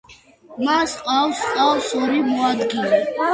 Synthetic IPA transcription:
masqʼawsqʼawsɔɾimɔad̪ɡinɛ

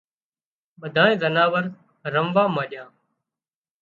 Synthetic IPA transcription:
ɓəd̪ʱãːẽːzənaːʋəɾ | ɾəmʋaːmãːʄjãː

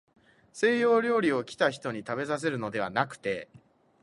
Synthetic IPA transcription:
se̞ːjo̞ːɾʲo̞ːɾʲio̞kʲi̥t̪açi̥t̪o̞ɲ̟it̪abe̞zas̬e̞ɾɯ̟no̞d̪e̞βa̰nakɯ̟̥t̪e̞

